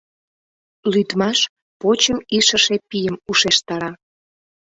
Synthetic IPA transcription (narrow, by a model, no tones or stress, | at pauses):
lyt̪mɑʃ | pot͡ɕəmiʃəʃepijəmuʃeʃt̪ɑɾɑ